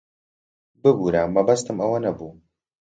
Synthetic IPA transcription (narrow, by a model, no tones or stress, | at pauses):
bɨbuːɾamːɐbɐst̪ɨmɐwɐnɐbuː